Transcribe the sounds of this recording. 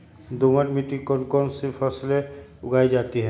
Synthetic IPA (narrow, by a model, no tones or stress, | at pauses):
d̪oməʈmiʈikɔnkɔnsipʰəsleʊɡʱaːid͡ʒaːt̪iɦɛ